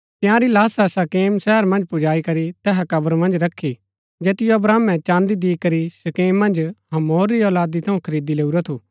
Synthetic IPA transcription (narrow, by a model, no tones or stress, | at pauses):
t̪ɪjãɾilaːsasakeːmsɛːəɾmɐ̃nd͡ʒpʊd͡ʒaːikɐɾit̪ɛːɦakɐbəɾmɐ̃nd͡ʒɾɐkʰːi | d͡ʒeːt̪ɪjoɐbɾaːmːɛ̃t͡ʃãːnd̪id̪iːkɐɾisɐkeːmːɐ̃nd͡ʒɦɐmoːɾːiɔːlaːd̪it̪ʰɐũkʰɐɾiːd̪ileːuɾat̪ʰuː